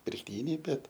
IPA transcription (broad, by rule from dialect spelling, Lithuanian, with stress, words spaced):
pʲɪrkˈtʲiːnʲɛɪ ˈbʲɛt